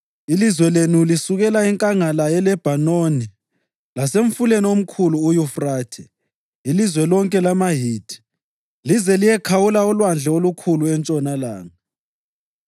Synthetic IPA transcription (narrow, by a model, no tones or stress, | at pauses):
ilizwɛlenulisuɣɛlaiŋkʼaŋalajɛlɛb̥ʱanoni | laseɱfuleniom̩kʰuluːjufraːtʰɛ̰ | ilizwɛlɔŋkʼɛlamaɦiːti̥ | lizɛlijɛkʰawulaɔlwand͡ɮʱɛolukʰuluɛnt͡ʃʼɔnala̰ːŋa